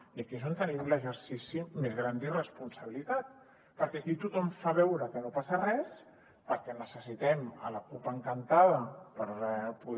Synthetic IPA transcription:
iakezont̪ənimləʒəɾsisimezɣɾand̪irəspunsəβ̞ilit̪at̪̚ | pəɾkɛakit̪ut̪ɔmfaβɛwɾəkənopasərɛs | pəɾkɛnəsəsit̪ɛmə̰ləkupəŋkənt̪aðəpəɾpuð

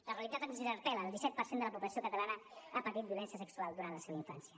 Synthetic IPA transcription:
ləreəlit̪at̪akunziðəɾt̪ɛləːlˠisɛt̪̚pəɾsend̪ələpuβləsiokət̪əlanəapət̪it̪biulɛnsiəsəksualˠd̪uɾanləseβəiɱfa̰nsiə

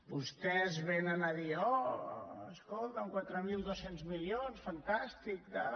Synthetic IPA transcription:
bust̪ɛzβenənəðiɔ | əskɔlˠt̪əŋkwat̪ɾəmilˠd̪osenzmilionsfənt̪ast̪ik̚d̪ə

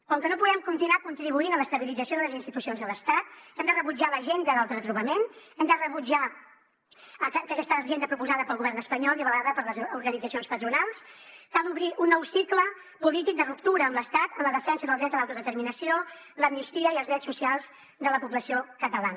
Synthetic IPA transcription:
kɔŋkənopuɣɛmkunt̪inwakunt̪ɾiβuinələst̪əβilid͡zəsioðələzinst̪it̪usionzðələst̪at̪ɛmd̪ərəβud͡ʒaləʒend̪əlalˠt̪ɾət̪ɾuβəmenɛmd̪ərəβud͡ʒa | kəkɛst̪əʒend̪əpɾupuzaðəpəlˠɣuβɛrnəspəɲɔlˠiβəlaðəpəɾləzuɾɣənid͡zəsionspət̪ɾunalˠskalˠuβɾiʔunːɔwsiklə | pulit̪ik̚d̪ərupt̪uɾəːmləst̪at̪əmləðəfɛnsəðəlˠd̪ɾɛt̪əlawt̪uðət̪əɾminəsio | ləmnist̪iəiəlˠzðɾɛtsːusialˠz | d̪ələpuβləsiokət̪əlanə

